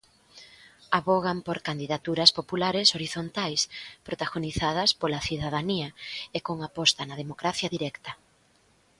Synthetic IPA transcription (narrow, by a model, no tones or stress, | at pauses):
aβoɣampoɾkand̪iðat̪uɾɐspopulaɾesoɾiθont̪ajspɾot̪aɣoniθað̞ɐspolaθiðaðaniɐekoŋapɔst̪ɐnɐð̞emokɾaθjɐðiɾɛkt̪ɐ